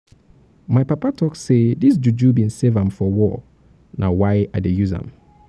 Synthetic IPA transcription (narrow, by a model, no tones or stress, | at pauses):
maɪpapatʰɔkssedis̬d͡ʒud͡ʒubĩnsevãmfɔwɔ | nʔawaɪaɪdejuzã̰m